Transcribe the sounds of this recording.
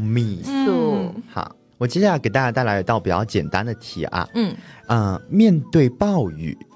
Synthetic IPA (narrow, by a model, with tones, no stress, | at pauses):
mi˥˧˩ | xɑ̰˧˩ | wɔ˨˩t͡ɕjɛ˥ɕjkt̪a˥˧˩t͡ɕja˥˧t̪ɪla˧˥jt̪ʊpi˨˩t͡ɕɑ˥˩t͡ɕjɛ˨˩nt̪a˦˥nd̪ə˨t̪ʰḭ˨˩ʔɐ̰˧˥˩ə˧mjɛ˥˧nt̪we˥˧ɪpɑ˥˩˧ʊy̰˨˩˦